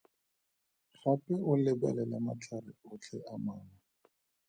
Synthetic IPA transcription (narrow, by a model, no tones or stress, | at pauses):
χapʼɛʊlɪba̰lɛlamat͡ɬʰarɪʊt͡ɬʰɛamaːna